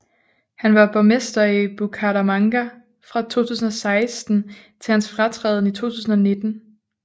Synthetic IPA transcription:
hænʋɑ̈b̥ɒmesd̥ɐib̥ukʰɑɾæmɑ̈ŋɡ̥æ | fʁɑ̈t͡sʰo̝̰ːt͡sʰṵːs̬n̩ɒ̽sɑ̈ɪsd̥n̩ | t͡sʰe̝hænsfʁɑ̈t͡sʰʁɛ̰ːð̞ˠn̩it͡sʰo̝̰ːt͡sʰuːsn̩ɒne̝d̥n̩

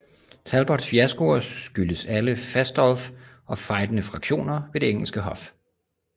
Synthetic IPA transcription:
t͡sʰælb̥ɒd̥sfiæsɡ̥o̝ɐsɡ̥yləsæləfæsd̥ɒlf | ɒ̽fɑ̈ɪd̥ənəfʁɑ̈ɡ̥ɕo̝̰ːnɐʋe̝d̥e̝eŋ̰l̩sɡ̥əɦɒ̽f

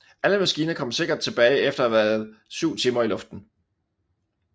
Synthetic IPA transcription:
ʔæləmæsɡ̥iːnɐkʰɒ̽m̰se̝ɡ̥ɐd̥̚t͡sʰe̝b̥ɛːɪefd̥ɐæʋæːɐðˠsyʊ̰t͡sʰiːmɐilɔ̽fd̥n̩

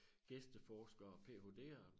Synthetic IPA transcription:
ɡ̥esd̥əfɒːsɡ̥ɐɒ̽pʰe̝̰ːɦo̝ːd̥e̝̰ːɐ

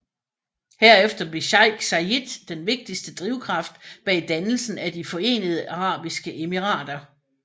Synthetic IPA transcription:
heɐ̰efd̥ɐb̥le̝ɕɑ̈ɪɡ̥sɑid̥ːenʋe̝ɡ̥̚d̥isd̥əd̥ʁiʊkʰʁɑ̈fd̥b̥ɛ̰ːd̥ænl̩sn̩æd̥ifɒ̽e̝̰ːnəð̞ˠəʔɑ̈ʁɑ̰̈ːb̥isɡ̥əʔe̝miʁɑ̰̈ːd̥ɐ

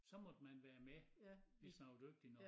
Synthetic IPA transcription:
sɒ̽mɒ̽d̥mænʋæːɐmeʋe̝snɑ̈ʊd̥øɡ̥̚d̥inɒ

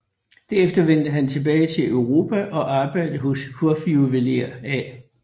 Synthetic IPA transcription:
d̥æɐefd̥ɐʋen̰d̥əɦænt͡sʰe̝b̥ɛːɪt͡sʰe̝løʊʁo̝ːpʰæʔɒ̽ʔɑ̈ːb̥ɑ̈ɪ̰d̥əɦɔshʰuɐfiuʋeleɐæ

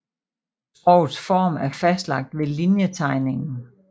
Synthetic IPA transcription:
sb̥ʁɒʊ̰sfɒ̰ːmæɐfæsd̥lɑ̈ɡ̥̚d̥ʋe̝linjət͡sʰɑ̈ɪne̝ŋn̩

